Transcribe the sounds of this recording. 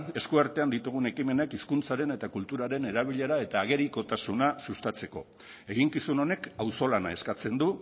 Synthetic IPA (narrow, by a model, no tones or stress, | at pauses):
e̞skuaɾt̪e̞and̪it̪uɣ̞une̞kime̞nekiskunt͡saɾe̞ne̞t̪akult̪uɾaɾe̞ne̞ɾaβ̞iʎe̞ɾae̞t̪aːɣ̞e̞ɾiko̞t̪asunasust̪at͡se̞ko̞ | e̞ɣiŋkisuno̞ne̞kawso̞lanae̞skat͡se̞nd̪u